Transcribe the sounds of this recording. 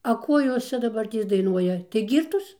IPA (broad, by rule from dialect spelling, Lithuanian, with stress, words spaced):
ɐ ˈkoː ˈjoːs ˈt͡ʃʲɛ dɐˈbɐrʲtʲeːs dɐɪˈnuɔjɛ tɐɪ ˈɡʲiːrtoːs